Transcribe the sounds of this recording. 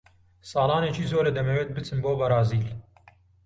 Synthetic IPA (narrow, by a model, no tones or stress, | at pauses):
sɑːlɑːneːt͡ʃiːzoːɾɐd̪ɐmɛweːt̪̚bɨt͡sʰɨnboːbɐɾɑːziːl